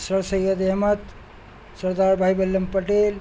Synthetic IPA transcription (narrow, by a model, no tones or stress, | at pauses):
səɾsəjjəd̪eɦmət̪ | sɐɾd̪aɾbʱajbɐlːɐmpəʈeːl